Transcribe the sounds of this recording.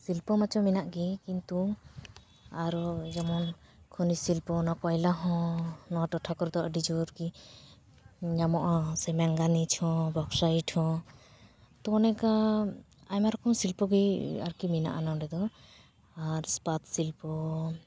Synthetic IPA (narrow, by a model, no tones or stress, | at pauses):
silpɔmat͡ʃɔminaʔɡikint̪u | aɾɔd͡ʒɔmɔn | kʰɔnisilpɔnɔkɔjlaɦɔ̃nɔwaʈɔʈʰakɔɾd̪ɔaɖid͡ʒɔɾɡi | ɲamɔʔasɛmɛŋɡanit͡ʃʰhɔ̃bɔksaiʈhɔ̃ | t̪ɔnɛka | ajmaɾɔkɔmsilpɔɡia̰ɾkimina̰ʔanɔɾɛd̪ɔ | aɾspat̪silpɔ